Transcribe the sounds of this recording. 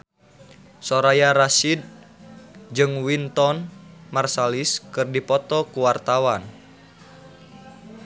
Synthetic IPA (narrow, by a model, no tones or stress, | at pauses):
sɔɾajaɾasid̪̚ | d͡ʒɨŋwint̪ɔnmarsaliskɨrdipɔt̪ɔkuwart̪awan